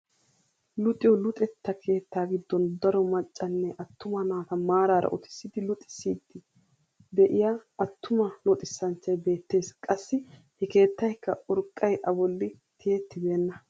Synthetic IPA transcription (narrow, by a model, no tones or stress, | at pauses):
lʊt̪ʼɪjɔlʊt̪ʼɛt̪ːɐkʰe̞ːt̪ːaːɡɪd̪ːɔnd̪ɐɾɔmɐt͡ʃʼːɐnːɛʔɐt̪ːʊmɐnaːt̪ɐmaːɾaːɾɐ̰ʔɔt̪ɪ̥sːɪd̪ɪlʊt̪ʼːɪ̥sːiːd̪ːɪ | d̪ɛʔɪjaɐt̪ʰːʊmɐnɔt̪ʼɪsːɐnt͡ʃːɐjbe̞ːt̪ːe̞ːskʼɐsːɪ | hɛke̞ːt̪ːɐjkːɐʔɔɾkʼːɐjʔɐbɔlːɪ | t̪ʰɪjet̪ːɪbe̞ːnːɐ